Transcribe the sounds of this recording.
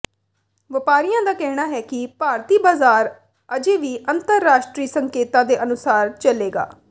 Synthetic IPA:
ʋəpaːɾɪjãːd̪aːkɛɦɳ̃aːɦɛːkɪpaːɾt̪iːbaːzaːɾ | əd͡ʒeːʋiːʔənt̪əɾːaːʃʈɾiːsəŋkeːt̪ãːd̪eːʔənʊsaːɾt͡ʃəleːɡa̰ː

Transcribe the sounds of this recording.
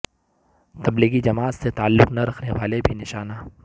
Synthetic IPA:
t̪ɐbliːɡid͡ʒɐmaːt̪set̪aːəlːʊqnɐɾɐkʰneʋaːlebʱinɪʃaːnaː

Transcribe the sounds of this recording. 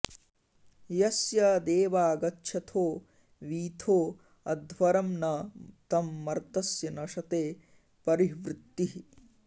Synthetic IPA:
jɐsjɐd̪eːʋaːɡɐtːʃʰɐt̪ʰoː | ʋiːt̪ʰoː | ɐd̪ʱʋɐɾɐmnɐt̪ɐmːɐɾt̪ɐsjɐnɐʂɐt̪eː | pɐɾiʋɾɪt̪ːiɦi

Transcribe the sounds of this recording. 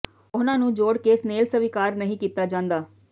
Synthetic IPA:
ʊnãːnũːd͡ʒoːɽkeːsneːlsəʋɪkaːɾnəɦĩːkiːt̪aːd͡ʒãːnd̪aː

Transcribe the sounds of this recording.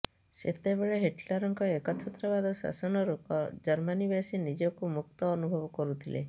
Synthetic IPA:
sḛt̪ebeɭeɦeʈlaɾɔŋkɔekɔt͡ʃʰɔt̪ːɾɔβad̪ʱɔsa̰sɔnɔɾupɔd͡ʒɔɾmanibasinid͡ʒɔkumuk̚t̪ɔːnubʱɔbɔkɔɾut̪ʰilḛ

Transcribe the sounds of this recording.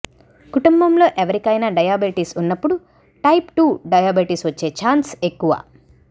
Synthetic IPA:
kuʈumbɐmlo̞ːʔeʋɐɾikɐjnɐɖɐjaːbeʈisunːɐpːuɽu | ʈɐjpʈuːɖɐjaːbeʈisʋɐt͡ʃːe̞ːt͡ʃaːnsekːuʋɐ̰

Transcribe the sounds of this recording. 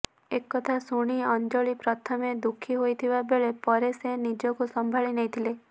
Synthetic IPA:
ekːɔt̪ʰasuɽ̃iɔnd͡ʒɔɭipɾɔt̪ʰɔmed̪ukʰːiɦojt̪ʰibabeɭepɔɾesenid͡ʒɔkusɔmbʱaɭinejt̪ʰile

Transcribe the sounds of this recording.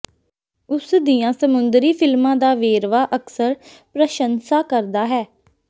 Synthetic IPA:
ʊsd̪ijãːsəmʊnd̪ɾiːpʰɪlmãːd̪aːʋeːɾʋaːʔəksəɾ | pɾəʃənsaːkəɾd̪aːɦɛː

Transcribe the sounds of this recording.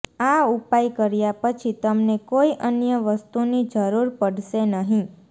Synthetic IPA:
aupajkəɾjapət͡ʃʰit̪əmnekoiʔənjəʋəst̪unid͡ʒəɾuɾpəɽʃenəɦĩ

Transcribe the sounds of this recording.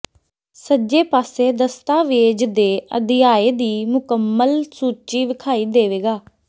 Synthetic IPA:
səd͡ʒeːpaːseːd̪əst̪aːʋeːd͡ʒd̪eːə̰d̪ɪjaːeːd̪iːmʊkəmːəlsuːt͡ʃiːʋɪkʰaːiːd̪eːʋeːɡaː

